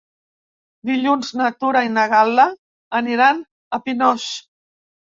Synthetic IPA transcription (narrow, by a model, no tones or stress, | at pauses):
d̪iʎunznat̪uɾainəɣala | əniɾan | əpinɔʃ